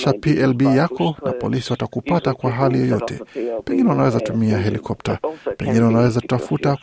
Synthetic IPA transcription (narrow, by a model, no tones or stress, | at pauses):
ʃapiʔɛlbijakɔna̰pɔ̰lisiwatakupatakwaɦalijɔjɔtʰɛ̰pɛŋɡinɛwanawɛzatumiaɦɛlikʰɔp̚tapɛ̰ŋɡinɛwanawɛzaku̥tafuta